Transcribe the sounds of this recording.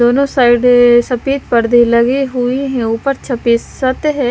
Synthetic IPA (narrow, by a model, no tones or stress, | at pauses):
d̪oːnõːsaːɪɖsəpiːt̪̚pəɽd̪iləɡiːɦʊiɦɛ̃ːʊpəɾt͡ʃʰəpiːsət̪ɦɛː